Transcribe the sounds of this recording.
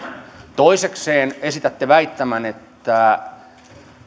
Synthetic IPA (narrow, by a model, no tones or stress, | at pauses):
t̪oisekseːnesit̪æt̪ːeʋæit̪ːæmænet̪ːæ